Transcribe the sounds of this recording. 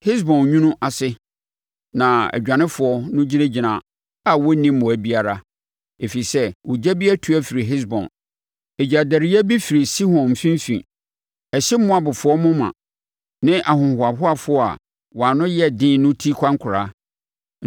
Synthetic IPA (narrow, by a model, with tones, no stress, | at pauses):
hɪ˦s̬bɔ̃˨nɲũ˦nʊ̃˦ʔa˨sɪ˦ | nã˨æ̰˨d͡ʑᶣã˨nɪ̃˦fʊ˨ɔ˦nʊ̃˦d͡ʑi˦nã˦d͡ʑi˨nã˨ | a˨wɔ˦nĩ˦m˦mʊ̃˨æ˨bi˦a˨ɾa˦ | e˨fi˨sɛ˦wʊ˨d͡ʑæ˦bi˦æ˦tʰu˨æ˦fi˨ɾi˨ɦɪ˦s̬bɔ̰̃˨n | e˨d͡ʑa˨dæ˨ɾi˦æ˦bi˦fi˨ɾi˨si˦hɔ̃˨n˨fĩ˦m˦fḭ̃˨ | ɛ˨ɕɪ˦mʊ̃˦a˨bʊ˨fʊ˨ɔ˦mʊ̃˦mã̰˨ | nɪ̃˦ʔa˨hʊ̃˨hʊ˨a˨ɦʊ˦a˨fʊ˦ɔ˦a̰˨ | wɔ˨a˨nʊ̃˦jɛ˦dɪ̃ː˦nʊ̃˦tʰi˦kʷʰã˦ŋ˦kʰʊ˨ɾa˦